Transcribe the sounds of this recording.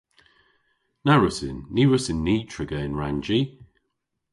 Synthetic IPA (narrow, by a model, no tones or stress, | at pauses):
naɹʊsɪnːiːɹʊsɪnːiːtʰɹ̥ɪɡəɪnɹand͡ʒi